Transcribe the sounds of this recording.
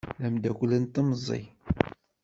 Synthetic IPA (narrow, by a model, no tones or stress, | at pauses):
læmd̪ækʷlənt̪ːəməzˤḭ